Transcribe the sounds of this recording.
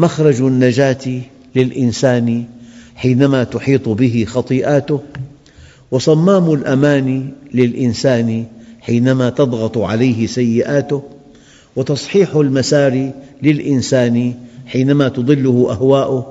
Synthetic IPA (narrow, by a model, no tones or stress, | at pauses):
maxɾˤɑd͡ʒnːad͡ʒaːt̪i | lɪlʔɪnsaːniħiːnamat̪ʊħiːt̪ˤbɪɦɪxɑt̪ˤiːʔaːt̪ʊ | wɪsˤɑmːaːmʊlʔamaːnilɪlʔɪnsaːniħiːnamat̪ɑd̪ˤɣɑt̪ˤʕalajhɪsajːɪʔaːt̪ʊh | wɪt̪ɑsˤħiːħʊlmasaːɾilɪlʔɪnsaːniħiːnamat̪ɑd̪ˤɨlːʊhʊʔahwaːʔʊ